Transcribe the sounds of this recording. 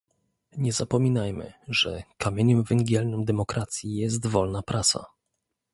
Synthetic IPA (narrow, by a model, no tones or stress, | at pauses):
ɲɛzapɔmʲinajmɘ̰ʐɛkamʲjeɲɛmvɛŋɡʲjɛlnɔmd̪ɛmɔkɾat̪sʲjijɛs̬t̪vɔlnapɾʔat̪sa̰